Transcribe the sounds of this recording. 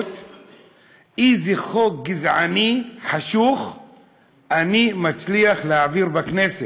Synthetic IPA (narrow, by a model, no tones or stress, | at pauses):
t̪ | iziχokɡizʕaniħaʃuχ | ʔanimat͡sliaχleaviʁbaknese